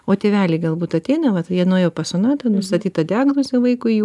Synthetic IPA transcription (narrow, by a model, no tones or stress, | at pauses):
oːt̪ʲeːʋʲæːlʲɪɡɐlˠbuːt̪ɐt̪ʲɛɪnɐʋɐt̪jiɛnoːjɛʊpɐsonɑːt̪ɐnʊst̪ɐt̪ʲiːt̪ɐd̪ʲɪaːɡnoːzʲɛʋɐɪkʊɪju